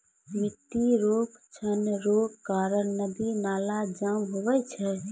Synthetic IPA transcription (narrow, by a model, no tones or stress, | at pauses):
mit̪ːiɾokt͡ʃʰənɾoɡkːaɾənnəd̪inalad͡ʒamɦoʋɛt͡ʃʰɛ